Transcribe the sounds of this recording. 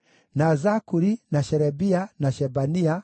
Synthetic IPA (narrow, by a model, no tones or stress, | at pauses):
nazakuɾinaʃɛɾɛbianaʃɛbania